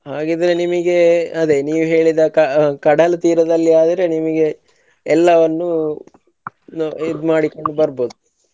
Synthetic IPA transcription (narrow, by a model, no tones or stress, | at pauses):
ɦaːɡid̪ɐɾenimɐɡe̞ɐd̪e̞niːʋuɦe̞ːɭid̪ɐkɐkɐɽɐlɐt̪iːɾɐd̪ɐlːiaːd̪ɐɾe̞nimɐɡe̞ | ɛlːɐʋɐnːu | nid̪maːɽikoɳɖubɐɾboːd̪u